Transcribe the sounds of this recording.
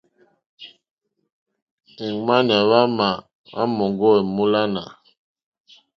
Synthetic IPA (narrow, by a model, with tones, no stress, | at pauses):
ɛ˨ŋma˦n˨a˨βa˦ma˨ | a̰˦mɔ˨ŋɡɔ˦ɛ˨mu˦la˦na˨